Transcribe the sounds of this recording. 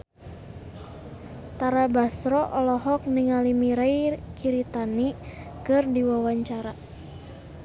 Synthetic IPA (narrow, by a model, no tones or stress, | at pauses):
t̪aɾabasɾɔʔɔlɔɦɔk̚niŋalimiɾajkiɾit̪ani | kɨrdiwawaɲt͡ʃaɾa